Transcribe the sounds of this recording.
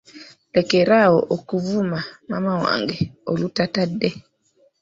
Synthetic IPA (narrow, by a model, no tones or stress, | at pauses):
lɛkɛɾaɔʔɔkuvumamamawa̰ŋɡɛolutatadɛ